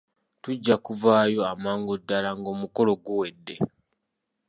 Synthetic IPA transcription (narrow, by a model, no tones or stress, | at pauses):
tuɟːakuvaːjo̞amaːŋɡodːalaŋɡo̞ːmuko̞lo̞ɡuwe̞dːe̞̰